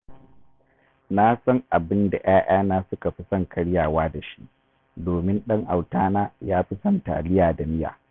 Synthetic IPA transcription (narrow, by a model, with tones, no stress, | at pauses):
na˦sɐ˦ŋʔa˨bɪ˦nda̰˨ʔaː˦ʔaː˦naː˦sʊ˦ka˨ɸi˦sɐ˦ŋkʰɐ˦ɽjaː˨waː˦da˨ʃi˦ʔ | doː˨mɪ˦nɗɐ˦ŋʔa˨wtaː˦naː˦jaː˦ɸi˦sɐ˦nta̰˨lɪ˦jaː˨da˨mɪ˦ja̰ː˨